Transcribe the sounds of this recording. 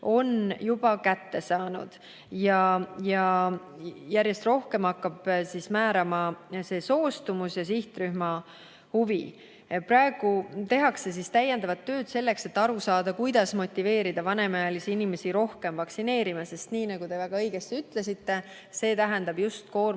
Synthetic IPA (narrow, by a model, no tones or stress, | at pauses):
o̞njub̥ɑkæt̪ːe̞sɑːnṵd̪̥ | jɑjɑ | jæɾje̞st̪ro̞hke̞mɑkːɑb̥sismæːɾɑmɑse̞ːso̞ːst̪umusjɑsiht̪ryhmɑ | huvḭ | prɑe̞ɡ̥ut̪e̞ɦɑkse̞s̬ist̪æje̞nd̪̥ɑvɑt̪ːø̞ːd̪̥se̞lːe̞kse̞t̪ːɑɾusɑːd̪̥ɑkujd̪̥ɑsmo̞t̪ːˑive̞ːɾid̪̥ɑvɑne̞mɑjɑlisiinime̞siɾo̞hke̞mvɑksine̞ːɾimɑse̞st̪niːnɑɡ̥ut̪e̞væɡ̥ɑɤjɡ̥e̞st̪iyt̪le̞sit̪ːe̞ | se̞ːt̪æɦɛnd̪ɑb̥just̪̚ko̞ːr